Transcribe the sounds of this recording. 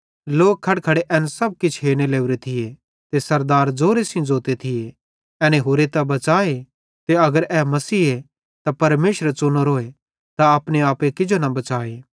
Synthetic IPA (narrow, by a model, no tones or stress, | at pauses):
loːk̚kʰːɐɽkʰɐɽeʔɛːnsɐb̚kɪt͡ʃʰɦeːñeleːuɾet̪ʰɪje | t̪esɐɾd̪aːɾd͡zoːɾesĩd͡zoːt̪et̪ʰɪje | ɛːnẽɦoːɾet̪ɐbɐt͡ʃaːe | t̪eɐɡəɾɛːmɐsiːe | t̪apɐɾmeːʃɾət͡ʃʊnoɾoːe | t̪aɐpɽeaːpekɪd͡ʒonɐbɐt͡ʃaːeː